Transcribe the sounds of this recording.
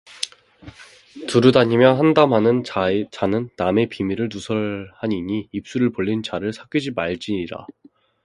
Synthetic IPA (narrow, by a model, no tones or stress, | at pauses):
tɯɾɯdaɲimjʌnɦandamɦanɯnt͡ɕanɯnːame̞pimiɾɯɭnusʰʌɭhaɲiɲiːp̚s͈uɾɯɭpoɭlːint͡ɕaɾɯɭsʰak͈id͡ʑimaɭt͡ɕ͈iɲiɾa̰